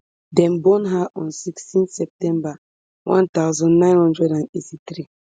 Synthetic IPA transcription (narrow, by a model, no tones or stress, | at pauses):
dɛ̃mbɔ̃nɦaʔɔ̃nsikstĩnsɛp̚tɛ̃mba | wã̰ntaʊzɔ̃nnãɪ̃nhɔ̃ndɹɛdãnetit̪ɾi